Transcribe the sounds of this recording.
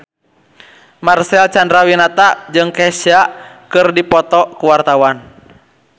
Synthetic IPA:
marsɛlt͡ʃandɾawinat̪ad͡ʒɨŋkɛsakɨrdipɔt̪ɔkuwart̪awan

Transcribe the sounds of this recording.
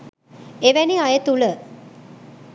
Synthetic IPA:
eʋæneajət̪ulə

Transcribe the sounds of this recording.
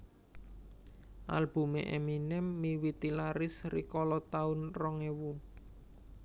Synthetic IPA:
ʔa̰lb̥ṳmḛʔeminɛmːiwit̪ilaɾɪsrikɔlɔt̪aʊnrɔŋewu

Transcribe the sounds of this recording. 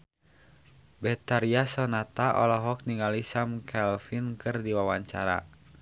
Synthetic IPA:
bɛt̪aɾiasɔnat̪aʔɔ̰lɔɦɔk̚niŋalisamkʰɛlfinkʰɨrdiwawaɲt͡ʃaɾa̰

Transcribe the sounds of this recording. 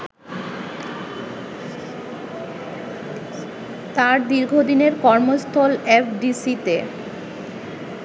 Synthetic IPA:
t̪aɾd̪iɾɡʱod̪ineɾkɔɾmost̪ʰolefɖisit̪e

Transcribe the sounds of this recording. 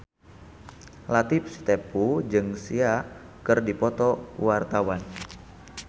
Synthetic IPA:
lat̪ip̚st̪epud͡ʒɨŋsia | kɨrdipɔt̪ɔ̰wart̪awan

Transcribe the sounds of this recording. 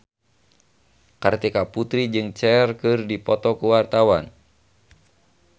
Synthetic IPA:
kɨrt̪ikaput̪ɾid͡ʒɨŋt͡ʃɛrkɨrdipɔt̪ɔkuwart̪awan

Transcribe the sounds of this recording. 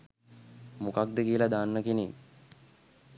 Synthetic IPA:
mukak̚d̪əkijəlad̪aːnːəkini

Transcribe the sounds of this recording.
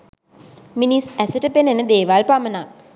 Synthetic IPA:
minisæsəʈəpenenəd̪eːʋalpamənal

